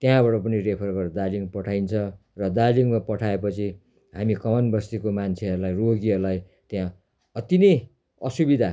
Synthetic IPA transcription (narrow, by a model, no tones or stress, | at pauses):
t̪jɦãbaʈʌpʌnirepʰʌrɡʌɾd̪aliŋpʌʈʰajnt͡sʰʌrʌd̪aliŋmapʌʈʰaepʌt͡sʰi | ɦamikʌmʌnbʌst̪ikomant͡sʰeɦʌɾulajroɡiɦʌɾlaj | t̪jɦã | ʌt̪inej | ʌsubid̪ʱa